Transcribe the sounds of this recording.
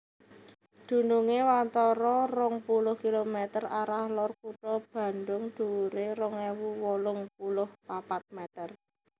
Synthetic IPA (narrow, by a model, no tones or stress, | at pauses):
d̪̥ṳnuŋewant̪ɔɾɔrʊŋpulʊhkilomɛt̪əraɾahlɔrkuʈɔb̥a̤nɖ̪ʊŋd̥uɾeɾʊŋewuwɔlʊŋpulʊhpapat̪̚mɛt̪ər